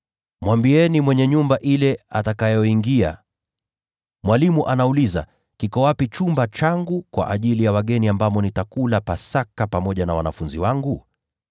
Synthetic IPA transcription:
mwambiɛnimwɛɲɛɲumbaʔilɛa̰takajɔiŋɡia̰ | mwalimuʔanauliza̰ | kikɔwapit͡ʃumbat͡ʃaŋɡukwa̰ʔaʄilijawaɠɛniambamɔnitakulapasakapamɔʄanawa̰na̰funziwaŋɡu

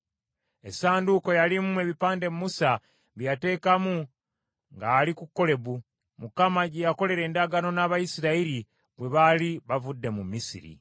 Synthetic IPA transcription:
e̞saːnduko̞jalimume̞βipaːnde̞mumusa | βjate̞ːkamu | ŋɡaːlikukːo̞le̞βu | mukamaɟejako̞le̞ɾe̞ːndaɡano̞naːβajisiɾaiɾi | βwe̞βaliβavudːe̞mumisḭɾḭ

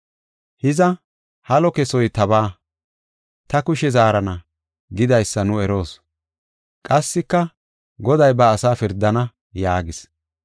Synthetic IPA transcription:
hɪzɐ | hɐlɔkɛsɔjt̪ɐbaː | t̪ɐkʊʃɛzaːɾɐnɐ | ɡɪd̪ɐjsːɐnʊɛɾo̞ːs | kʼɐsːɪkːɐ | ɡɔd̪ɐjbɐːsaːfɪɾd̪ːɐnɐ | jaːɡɪs

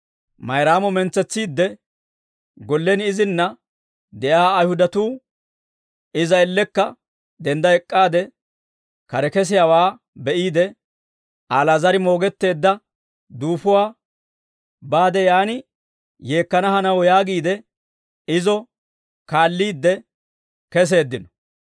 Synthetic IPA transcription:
mɐjɾaːmɔmɛnt͡sːɛt͡sːiːd̪ːɛ | ɡɔlːɛnɪzɪnːɐ | d̪ɛʔaːɐjhʊd̪ɐt̪uː | ɪzɐɛlːɛkːɐ | d̪ɛnd̪ɐɛkʼːaːd̪ɛ | kɐɾɛkɛs̬ɪjawaː | bɛʔiːd̪ɛ | aːlɐzɐɾɪmo̞ːɡɛt̪ːe̞ːd̪ːɐ | d̪uːfʊwaː | baːd̪ɛjaːnɪ | je̞ːkːɐnɐhɐnɐwɔjaːɡiːd̪ɛ | ɪzɔ | kaːlːiːd̪ːɛ | kɛs̬e̞ːd̪ːɪnɔ̥

